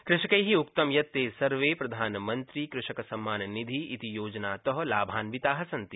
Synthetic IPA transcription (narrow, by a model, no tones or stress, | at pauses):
kɾɪʃɐkɐjɦiʊk̚t̪ɐmjɐt̪ːeːsɐɾʋeːpɾɐd̪ʱaːnmɐ̃nt̪ɾikɾɪʃɐkɐsɐmːaːnnid̪ʱiit̪ijoːd͡ʒnaːt̪ɔɦɐlaːbʱaːnʋit̪aːɦɐsɐ̃nt̪i